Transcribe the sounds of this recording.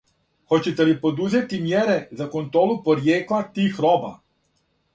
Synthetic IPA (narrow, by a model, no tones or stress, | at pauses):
xo̞t͡ɕet̪elipo̞d̪uze̞t̪imjeɾezako̞nt̪ɾoːlupo̞ɾjeːklˠat̪iːxɾoba̰